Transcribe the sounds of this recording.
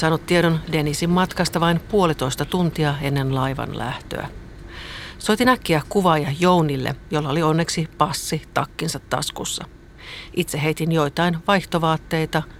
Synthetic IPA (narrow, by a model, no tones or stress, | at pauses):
sɑːnut̪tːieɾonde̞nisimːɑt̪kɑst̪ɑʋɑinpuo̞lit̪o̞ist̪ɑt̪unt̪iɑe̞nːe̞nlɑjʋɑ̰nlæ̰ht̪ø̰æ̰ | so̞t̪inækːiækuʋɑjɑjo̞wnilːḛjolːɑolio̞nːe̞ksipɑsːit̪ɑkːinsɑt̪ːɑ̰skṵsːɑ̰ | ʔit̪seɦe̞ijt̪injo̞jt̪ɑinʋɑjht̪oʋɑːt̪ːe̞jt̪ɑ